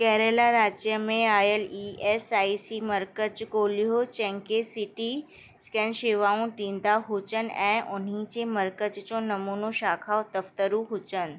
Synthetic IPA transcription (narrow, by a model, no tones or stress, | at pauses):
kɛɦɾeːlaɾaːd͡ʑjəmẽaːjəliːeːsaːisimɐɾkət͡ɕkoːliɦot͡ɕɛ̃ːŋkesɪʈi | skɛnʃeːʋaːũʈĩːnd̪aɦut͡ɕən̆ɛ̃ːʔʊn̤ĩd͡ʑemɐɾkət͡ɕt͡ɕõːnɐmuːnoʃaːkʰaːot̪ɐft̪əɾũɦʊt͡ɕənɪ̆